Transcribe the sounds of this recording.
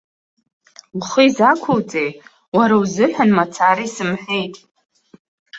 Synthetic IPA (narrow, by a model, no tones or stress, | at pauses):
wχiizakʷʰowt͡sʼej | waɾawzɨħʷᶣanmat͡sʰaɾaisɨmħʷᶣe̞jtʼ